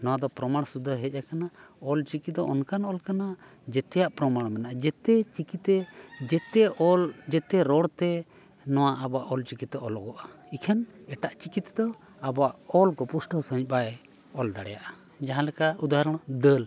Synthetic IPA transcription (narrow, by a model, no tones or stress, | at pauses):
nɔwad̪ɔpɾɔmaɽ̃sud̪ʱəɦɛc̚akanaɔlt͡ʃikit̪̚d̪ɔʔɔnkanɔlkana | d͡ʒɛt̪ɛjaʔpɾɔmaɽ̃mɛnaʔad͡ʒɛt̪ɛt͡ʃikit̪ɛd͡ʒɛt̪ɛɔld͡ʒɛt̪ɛɾɔɽt̪ɛ | nɔwaʔabaʔɔlt͡ʃikit̪ɔʔɔlɔɡɔʔaikʰanɛʈaʔt͡ʃikit̪d̪ɔ | abaʔɔlkɔpusʈɔsə̃ɦic̚baɛ | ɔld̪aɽɛjaʔa | d͡ʒaɦãlɛkaud̪aɦɾɔɽ̃d̪əl